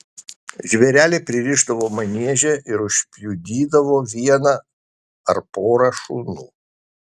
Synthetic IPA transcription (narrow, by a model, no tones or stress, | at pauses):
ʒʲʋʲɛɾʲæːlʲepʲɾʲɪɾʲɪʒd̪ɐʋoːmɐnʲiɛʒʲɛʔɪɾʊʃʲpʲlʲud̪ʲiːd̪ɐʋoːʋʲiɛnɐ | ɐ̰ɾpoːɾɐʃunṵː